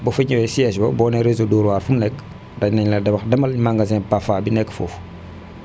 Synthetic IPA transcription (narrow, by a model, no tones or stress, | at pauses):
bɔfiɲɛwɛsiɛsbɐ̰bɔnɛɾezoduːɾwaːɾfumnɛkː | dɐnɐɲlɐdɛbɐxdɐmɐlmaŋɡɐzɛ̃pafabinɛkːfɔ̰ːf